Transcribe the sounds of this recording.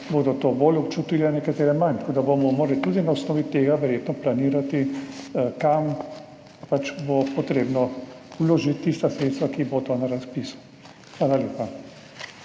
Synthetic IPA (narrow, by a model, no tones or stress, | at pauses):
boːd̪ɔt̪obolɔpt͡ʃut̪ilɛnɛkat̪eːɾɛmant̪koːd̪abomɔmoːɾalit̪uːd̪inaɔsnɔːʋit̪eːɡaʋɛɾjeːt̪nɔplaniːɾat̪i | kam | pat͡ʃbopɔt̪ɾeːbnɔ | wloʒit̪ːist̪asɾeːt̪st̪ʋakibod̪ɔnaɾaspisu̥ | xʋaːlaljeːpa